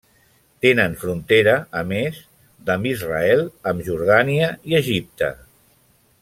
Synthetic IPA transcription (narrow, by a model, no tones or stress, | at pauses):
t̪enənfɾunt̪eɾəːmez | d̪əmbizraɛlˠəmʒuɾðaniəiəʒip̚t̪ə̰